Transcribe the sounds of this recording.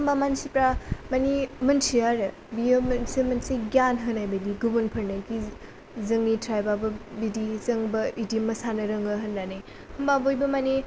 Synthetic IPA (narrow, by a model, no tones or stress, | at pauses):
hmbamansipɾamɐnimɐnsiaɾɐ | bijomsimɐnsiɡjanɦɯnajbɐdiɡubunpʰɐɾnɐki | zɐŋnitɾajbabɐbidizɐŋbɐidimɐsanɐɾɐŋɐɦɐndanaj | humbabojbɐmani